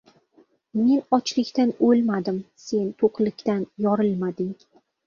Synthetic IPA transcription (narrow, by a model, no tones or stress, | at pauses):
me̞nɒt͡ʃlɪkʲt̪anolmad̪ɪmse̞nt̪ʰoqʰlɪkʲt̪anjɒɾɪlˠmad̪ɪŋ